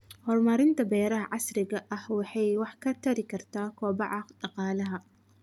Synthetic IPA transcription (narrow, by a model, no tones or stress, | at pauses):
hɔrmɐɾɪnt̪ʰɐbɛːɾɐɦɐʕɑsɾɪɣɐʔɐhwɑħɑjwɑħkʰɐt̪ʰɐɾɪkʰɐrt̪ʰaːkʰɔːbɑʕɑqɖɑqɑːlɐɦɐ